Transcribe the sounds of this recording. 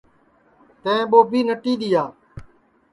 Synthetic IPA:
t̪ə̃ːɓoːbʱiːnəʈiːɗ̪ijaː

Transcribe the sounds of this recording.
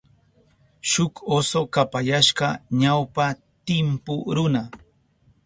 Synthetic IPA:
ʃʊkosokapajaʃɢɑɲawpa | t̪ɪmpʊɾʊna

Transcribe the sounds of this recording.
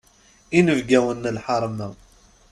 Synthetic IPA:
inəvɡæwənːəlħɑɾˤmæ

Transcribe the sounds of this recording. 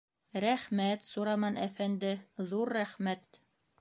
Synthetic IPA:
ɾæχmæt̪suɾɑmɑnʔæfænd̪ɘðuɾːæχmæt̪

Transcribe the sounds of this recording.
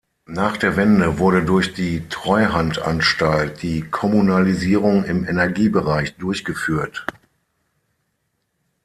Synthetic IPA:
naːχd̥eːɐvɛndəvʊɐɾədʊɐçd̥iːtʁ̥ɔʏɦantʔa̰nʃtalt̚d̥iːkʰɔmunaliziːʁ̞ʊŋɪmɛnɛɐɡiːbəʁaɪçd̥ʊɐçɡ̥əfyːɐt

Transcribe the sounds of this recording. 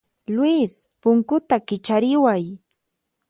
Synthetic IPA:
lwispʊŋkʊt̪akɪt͡ʃaɾɪwaj

